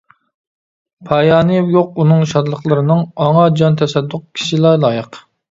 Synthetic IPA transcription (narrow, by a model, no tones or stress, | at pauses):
pʰɑjɑːnɨjoq̚unɨŋʃɑd̪lˠəχlˠɨɾɨnɨŋɑŋɑd͡ʒɑnt̪ʰɛsɛd̪ːʊq̚kʲʰi̥ʃilˠɑlˠɑːjɨq